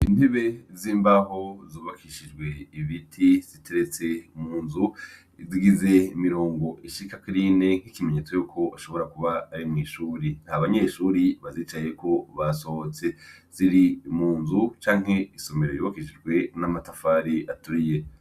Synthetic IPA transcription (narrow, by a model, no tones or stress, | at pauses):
indiβe̞ziːmbaɦo̞zuːβakʰiʃid͡ʒɡwe̞iβitʰiz̥itʰeɾet͡se̞muːnzu | iziɡize̞imiɾo̞ːŋɡo̞ʔiʃikakiɾine̞ŋ̥ikime̞ɲe̞t͡so̞juːkʰo̞aʃo̞βo̞ɾakuβaːɾimŋiːʃuːɾinhaβaɲe̞ʃuːɾiβaziːt͡ʃaje̞kʰo̞βaso̞ot͡se̞z̥iɾimuːnzut͡ʃaːŋ̥ɦe̞iso̞me̞ɾojṵβakiʃid͡ʒɡwe̞namatafaːɾiʔatuɾije̞